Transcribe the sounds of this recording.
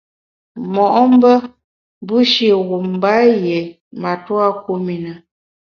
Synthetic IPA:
mɔ˨ʔɔ˦m˦bə˦ | bu˦ʃi˦˨ɣu˨m˨ba˨˦je˨ | ma˨twa˦k̚u˦mi˨nə˨

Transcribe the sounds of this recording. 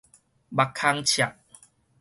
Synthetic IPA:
ba˨kʰːa˧ŋt͡ɕʰja˨˩k̚

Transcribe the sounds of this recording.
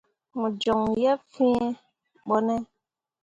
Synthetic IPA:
mũ˨d͡ʒɔ˨ŋjɛ˦fĩ˦ɛ˦ | ɓɔ˦nɛ˦

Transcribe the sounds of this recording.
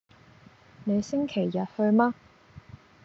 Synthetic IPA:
ne˨˧jsɪ˥ŋkʰe˨˩jːɐ˨t̚hɵ˧ɥmaː˥

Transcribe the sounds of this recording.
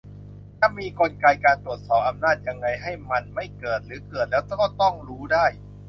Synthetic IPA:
t̪ʰaː˧˩miː˧kʰo˧nka˧jkaː˧nt̪ɾu˨˩ət̪̚sɔː˨˩p̚ʔa˧mnaː˥˩t̪̚ja˧ŋːa˧jɦa˥˩jma˧nma˥˩jkɤː˨˩t̪̚ɾɯː˩˦kɤː˨˩t̪̚lɛː˦˥wt͡ɕaː˥˩kɔ˥˩t̪ɔ˥˩ŋɾuː˦˥daː˥˩j

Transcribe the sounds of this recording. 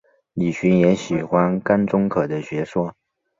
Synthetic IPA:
li˨˩ɕy˧˥njɛ˧˥ɕi˨˩xwa˥nka˥nʈ͡ʂʊ˥ŋkʰɤ˨˩d̪ə˦ɕɥɛ˧˥ʂwɔ˥

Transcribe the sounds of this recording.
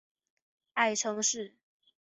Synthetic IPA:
a˥˩ɪʈ͡ʂʰɤ˧˥ŋʂɻ̩˥˩

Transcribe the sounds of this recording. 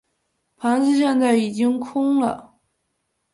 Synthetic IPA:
pʰa˧˥nʂɻ̩˥˧ɕ̬jɛ˥˧nt͡sa˥˩ɪi˨˩t͡ɕi˥ŋkʰʊ˥ŋlə̰˨

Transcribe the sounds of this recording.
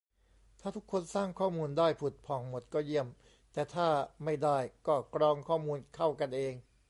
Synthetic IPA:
t̪ʰaː˥˩t̪ʰu˦˥kʰːo˧nsaː˥˩ŋkʰɔː˥˩muː˧ndaː˥˩jpʰu˨˩t̪̚pʰɔː˨˩˦ŋmo˨˩t̪̚kɔː˥˩ji˥˩əm | t̪ɛː˨˩t̪ʰaː˥˩ma˥˩jdaː˥˩jkɔː˥˩kɾɔː˧ŋkʰɔː˥˩muː˧nkʰa˥˩wka˧nʔeː˧ŋ

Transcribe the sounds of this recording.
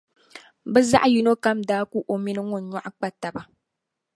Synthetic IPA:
bɛ˦za̰˦ʔju˦no˦ka˦mdaː˦ku˦ʔo˨mi˦nɨ˦ŋo˦˨n˦ɲɔ˦˨ʔa˦k͡pa˦ta˨ba˨

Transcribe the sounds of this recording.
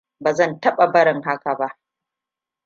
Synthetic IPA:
baː˨zɐ˦˨ntɐ˦ɓa˨bɐ˦ɾɪ˨ŋɦa˦ka˨ba˦ʔ

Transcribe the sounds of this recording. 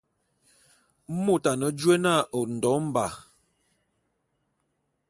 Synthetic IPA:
mo˦˨ta˨nə˨d͡ʒwe˦na˦˨o˨n̩˨dɔ˨˦m̩˦ba˨

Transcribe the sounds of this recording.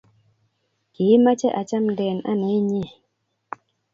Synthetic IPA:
ɡ̥i˨˦ma˦t͡ʃɛ˦ʔa˨t͡ʃa˦mdɛ˨na̰˦na˨˦jɲe˦˨

